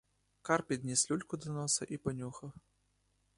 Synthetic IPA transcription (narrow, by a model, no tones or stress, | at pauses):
karpʲid̪ʲnʲɛsʲlʲulʲkud̪ɐnɔsɐʔipɐnʲuxɐ